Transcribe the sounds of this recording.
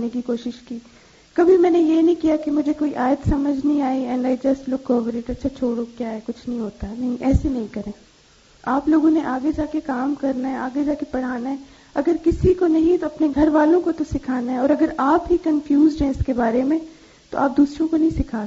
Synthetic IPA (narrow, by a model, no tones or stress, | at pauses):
nekikoːʃɪʃkiː | kɐbʱimɛ̃ːnejenɐĩkijakemʊd͡ʒʱekoːiʔaːjət̪sɐməd͡ʒʱnɐɦĩaːiɛ̃ːɳɖaːid͡ʒɐsʈlʊkːɔːʋəɾeːʈɐtːʃʰat͡ʃʰoːɽokjaːɦɛkʊt͡ʃʰnɐɦĩɦoːt̪anɐɦĩʔɛːsenɐɦĩkɐɾẽː | aːploːɡõneʔaːɡed͡ʒaːkekaːmkɐɾnaɦɛaːɡed͡ʒaːkepɐɽ̤aːnaɦɛ | ɐɡəɾkɪsikonɐɦĩt̪oɐpneɡʱɐɾʋaːlõkot̪osɪkʰaːnaɦɛɔːɾɐɡəɾaːpɦikɐ̃nfjuːzɖɛ̃ːskebaːɾemẽ | t̪o̰ʔaːp̚d̪uːsɾõkonɐɦĩsɪkʰaː